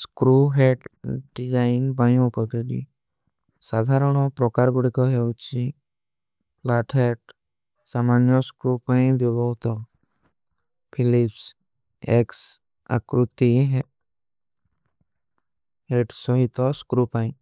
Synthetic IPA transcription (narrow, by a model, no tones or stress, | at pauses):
skɾuɦeʈɖid͡ʒanpajõpɔked̪ḭ | sad̪ʱaɾɔɽ̃ɔ̃pɾɔkaɾɡuɽikɔɦet͡ʃi | laʈʰeʈ | samanjɔskɾupaĩd̪ɔbɔt̪ɔ | pʰilips | eks | a̰kɾut̪iɦe | eʈsɔɦit̪ɔskɾupãĩ